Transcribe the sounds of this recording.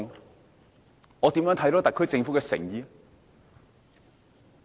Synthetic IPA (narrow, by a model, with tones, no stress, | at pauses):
ŋ | ŋɔː˨˧t̪i˨˥mjœ˨˥ŋt̪ʰɐ˨˥jt̪ɔː˥t̪ɐ˨kʰːɵ˥ɥt͡sɪ˧ŋfu˨˥kɛ˧sɪ̰˨˩ŋjiː˨